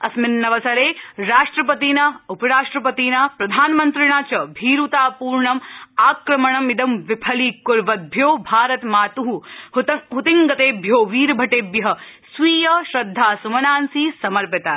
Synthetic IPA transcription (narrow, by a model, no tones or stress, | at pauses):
ɐsmɪnːɐʋɐsɐɾeːɾaːʂʈɾɐpɐt̪iːnɐupɐɾaːʂʈɾɐpɐt̪iːnɐpɾɐd̪ʱaːnmɐnt̪ɾɪɳaːt͡ʃɐbʱiːɾut̪aːpuːɾɳɐmaːkɾɐmɐɳɐmid̪ɐmʋɪpʰɐlikʊɾʋɐd̪̚bʱjoːbʱaːɾɐt̪maːt̪uɦu | ɦut̪iŋɡɐt̪eːbʱjoːʋiːɾbʱɐʈeːbjɐɦɐ̆sʋiːjɐʃɾɐd̪ʱːaːsumɐnaːnsiːsɐmɐɾpɪt̪aː